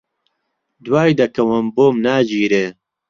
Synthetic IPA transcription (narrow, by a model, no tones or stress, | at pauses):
d̪waːjd̪ɐkɐwɐmboːmnaːd͡ʒiːɾeː